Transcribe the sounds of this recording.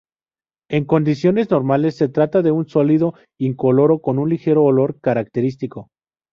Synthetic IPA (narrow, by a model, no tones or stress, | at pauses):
e̞ŋko̞nd̪isjo̞ne̞zno̞ɾmale̞sːe̞t̪ɾat̪aðe̞unsoliðo̞ | iŋko̞lo̞ɾo̞ko̞nunlixe̞ɾo̞ːlo̞ɾkaɾak̚t̪e̞ɾist̪iko̞